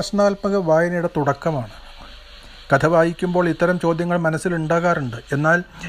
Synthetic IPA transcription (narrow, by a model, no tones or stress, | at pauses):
ɐɕnaːlpɐɣɐʋaːjɐnɐjuɽet̪uɽɐkːɐmaːɳɨ | kɐt̪ʰɐʋaːjikʲːumbo̞ːɭit̪ːɐɾɐmt͡ɕo̞ːd̪jɐŋːɐɭmɐnɐsːiluɳɖaːɣaːruɳɖɨe̞nːaːl